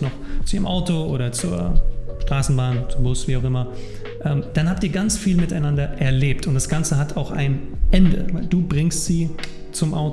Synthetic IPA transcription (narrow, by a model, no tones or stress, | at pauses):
nɔχt͡suʔiːəmʔaʊtoʔoːɾɐt͡suːɐʃtʁ̥aːsn̩baːnt͡subʊsv̥iːaʊxʔɪmɐ | ʔɛːmd̥anhaːp̚tiːɐɡant͡sfiːlmɪtaɪnandɐʔɛɐleːp̚tʊntd̥asɡ̥ant͡səɦatʰaʊxa̰ɪnʔɛndə̰vaɪlduːbʁɪŋstz̥iː | t͡sʊmʔa̰ʊ